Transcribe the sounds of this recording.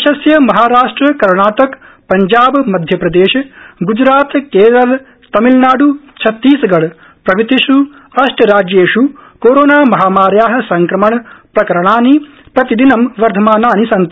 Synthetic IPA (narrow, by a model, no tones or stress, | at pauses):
ɐʃɐsjɐmɐɦaːɾaːʂʈɾɐkɐɾɳaːʈɐk | pɐɲd͡ʒaːbmɐd̪ʱjɐpɾɐd̪eːʃɐɡud͡ʒɾaːt̪keːɾɐl | t̪ɐmilnaːɖut͡ʃʰɐt̪ːiːsɐɡɐɭ | pɾɐʋit̪iʃu | ɐʂʈɐɾaːd͡ʒjeːʃukoːɾoːnaːmɐɦaːmaːɾjaːɦɐ̆sɐŋkɾɐmɐɳpɾɐkɐɾɐɳ̃aːni | pɾɐt̪id̪inɐmʋɐɾd̪ʱɐmaːnaːnisɐnt̪